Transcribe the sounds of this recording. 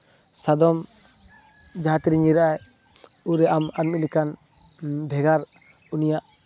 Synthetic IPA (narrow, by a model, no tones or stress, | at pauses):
sad̪ɔm | d͡ʒaɦat̪iɾiɲiɾaʔaj | uɾɛʔamanmilikan | bʱɛɡaɾ | unijaʔ